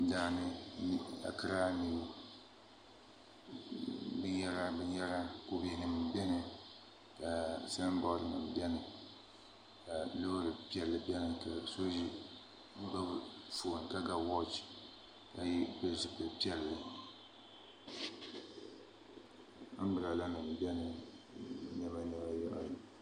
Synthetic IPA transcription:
daː˨nɨ˦ | a̰˨ka˦ɾaː˦ni˦b | bɨ˦ɲɛ˦la˦bɛ˦ɲɛ˦la˦ko˦bɛ˨nɨ˨m˨˦bɛ˦nɨ˨ | ka˨sa˦n˦bɔ˦ɾɨ˨nɨ˨m˨bjɛ˦nɨ˨ | ka˨lo˦ɾɨ˨pi˦ɛ˨lːɨ˨bɛ˦nɨ˨ka˨so˦ʒi˦ | m̩˦ba˦bfo˨n˨ka˦ɡa˦wɔ˦t͡ʃ | ka˨jbɨ˦zɨ˨pɨ˨pi˦ɛ˦lːɨ˦ | a˦bɨ˨la˨la˦nɨ˨m˨bɛ˦nɨ˨˦ | ɲɛ˦ma˦ɲɛ˦ba˦jɔ˦ʔa˨

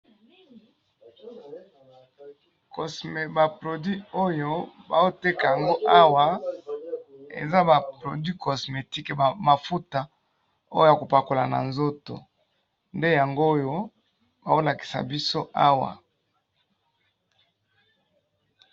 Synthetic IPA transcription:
ko˨sme˨ba˨pʁo˨dɥi˦o˦jo˦ba̰˨o˦te˦ka˨ja˨ŋɡo˦ʔa˦wa˨ | ḛ˨za˦ba˨pʁo˨dɥi˦ko˨sme˨ti˦kba˨ma˨fu˦ta˨ | o˦jo˦ja˨ko˨pa˨ko˨la̰˨na̰˨nzo˦to̰˨ | nde˦ja˨ŋɡo˦jo˦ | ba˨o˦la˨ki̥˨sa̰˨bi˦so˦a˦wa̰˨

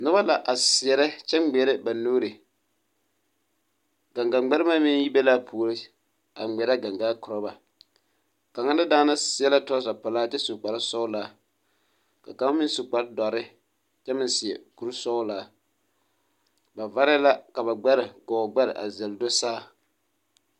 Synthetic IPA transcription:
nʊ˦ba˦la˨ʔa˨sɪ˨ɛ˨ɾɛ˦t͡ʃɛ˦m˦ɡ͡bɛ˨˦ɾɪ˦ba˨noː˦ɾɪ˨ | ɡa˨ŋɡa˨ɡ͡ba˦ɾɪ˦ma˦mɪ˦n˦ji˦bɛ˦laː˦pʰu˨˦ɾɪ˦ | a̰˨ŋ͡mɛ˨ɾa˦ɡa˨ŋɡaː˦kʊ˨ɾɔ˦ba˨ | ka˨ŋa˦n˦da˦daː˦na˦sɪ˦ɛ˦la˦tɔ˦sa˨pa˨laː˦t͡ʃɛ˦su˨k͡pa˨ɾɪ˦sɔ˦ʊ˦laː˦ | ka˨ka˦m˦mɪ˦n˦su˨k͡pa˨ɾdɔ˨ɾɪ˦ | t͡ʃɛ˦mɪ˦nsɪ˨ɛ˨ku˨ɾu˦sɔ˦laː˦ | ba˨va˦ɾɪ˦la˦ka˨ba˨ɡ͡ba˦ɾɪ˨ɡɔ˨ɡ͡ba˦ɾɪ˨ʔa̰˨zɛ˨ldo˦saː˦˨

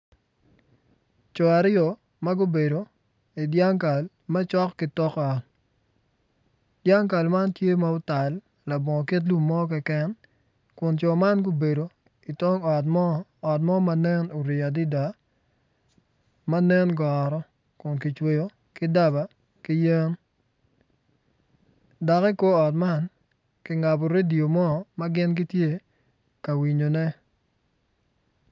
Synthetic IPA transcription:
t͡ʃɔ˨a˨ɾɪ˦jɔ˨ | mɐ˦ɡʊ˦be˨do˨ | i˨dja˦ŋka˨l | ma˦t͡ʃɔ˦kːɪ˦tɔ˦kɔ˨t | dja˦ŋka˨lma˦ntje˦ma˦ʊ˦ta˨lː | a˨bɔ˨ŋɔ˨ki˦t̬lu˦mːɔ˦k̬ɛ˦kɛ˦n | kʊ˨nt͡ʃɔ˨ma˦nɡʊ˦be˨do˨ | i˨tɔ˦ŋɔ˨tːt̬̚mɔ˦ma˨nɛ˦no˨ɾɪ˨a˨dɪ˦da˨ | ma˦nɛ˦nɡɔ˨ɾɔ˦ | kʊ˨nkɪ˨t͡ʃwe˨jo˨ | kɪ˦da˦ba˨ | kɪ˦je˦n | da˨ki˦ko˦ɔ˨tma˦n | kɪ˨ŋa˨bo˨ɾe˦di˨o˨mɔ˦˨ma˦ɡɪ˦nɡɪ˦tje˦ | ka˨wi˨ɲo˨nɛ˦

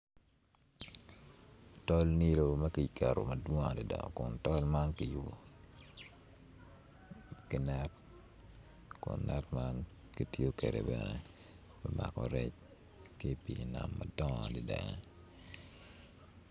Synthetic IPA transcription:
tɔ˦lni˦lo˨mɐ˦ki˨kɛ˨ɾo̰˨mɐ˨dwo˦ŋa˨di˨da˨ŋɔ̰˨kʊ˨ntɔ˦lma˦nkiju˦bo˨ | kɪ˨nɛt | kʊ̰˨nːɛ˦tma˦n | ki˨tjo˦ke˨ɾḛ˨bɛ˨ne | bɛ˦ma˨kɔɾɛt͡ʃ | ke˦pi˨na˨mːɐdɔ˦ŋa˨di˨da˨ŋ

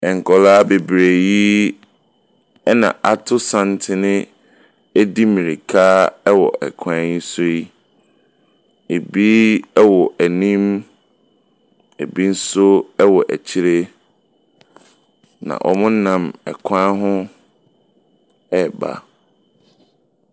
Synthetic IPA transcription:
ɛ˨ŋ̩˨kʰɔ˨laː˦be˨bɾe˨ji˦ | ɛ˦nã̰˨ʔa˦tʰʊ˦sã˦n˦tʰɪ˦nɪ̃˦ | ɛ˦di˦mĩ˨ɾi˨kʰaː˦ɛ˦wɔ̰˨ʔɛ̰˨kʰã˦ji˦so˦i˦ | e˨bi˦ɛ˦wɔ˨ʔæ˨nĩ˦m | e˨bi˦n̩˦sʊ˦ɛ˦wɔ˨ʔæ̰˨t͡ɕʰi˦ɾe˦ | nã̰˨ʔɔ̰˨mʊ̃˦nã˨mɛ̰˨kʷʰã˦ɦʊ̃˦ | ɛ˦˨ba̰˨

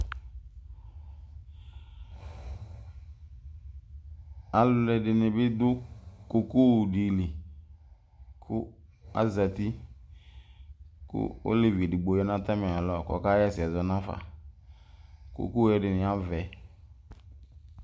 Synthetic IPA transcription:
a˨lʊ˨lɛ˨dɪ˨nɪ̃˨bɪ˦d̪ʊ˦ko˨ku˦˨di˨li˨ | kʰʊ˦a̰˦za˨ti˦ | kʊ̰˦o̰˦le˨vi˨ɛ˨dɪ˨ɡ͡bo˨jɛ˦nã˦ta˦mɪ˨a˨lɔ˦˨kɔ̰˨ka˦jɛ˦˨sɪ˨ɛ˨zɔ˨nã˦fa̰˨ | ko̰˨ko˦ɛ˨dɪ˨nɪ̃˨a˦vɛ˨

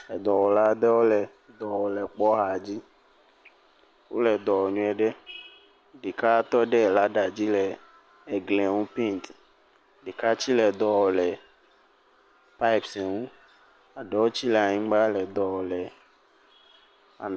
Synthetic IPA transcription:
ɛ˨d̪ɔ˨wɔ˨la˦d̪ɛ˦wo˦lɛ˨ | d̪ɔ˨wɔ˨lɛ˨k͡pɔ˦ɦa˨d͡ʑi˦ | wo̰˦lɛ˨d̪ɔ˨wɔ˨ɲũ˦ɛ˨ɖɛ˦ | ɖe˨ka˦t̪ɔ˦ɖɛ˦˨la˦ɖa˨d͡ʑi˦lɛː˨ | ɡlɛ˨ŋũ˦pi˦nt̪ | ɖe˨ka˦t͡ɕi˦lɛ˨d̪ɔ˨wɔ˨lɛ˨ | pa˦i˦psɛ˨ŋũ˦ | a˨ɖɛ˦wo˦t͡ɕi˦lɛ˨a˨ɲĩ˦ɡ͡ba˦lɛ˨d̪ɔ˨wɔ˨lɛ˨ | a̰˨

